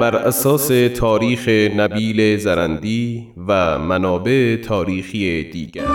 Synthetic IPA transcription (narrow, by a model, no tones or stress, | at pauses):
bæɾʔæsɒːse̞t̪ʰɒːɾiːxenæbiːlezæɾænd̪iː | væmænɒːbe̞ʔet̪ʰɒːɾiːxijed̪̥iːɡæɾ